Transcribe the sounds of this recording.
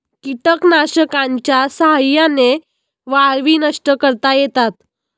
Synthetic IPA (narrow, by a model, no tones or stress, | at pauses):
kiʈəknaɕəkãɲt͡ɕjasəɦajane | ʋaɭʋiːnəʂʈəkəɾt̪ajet̪at̪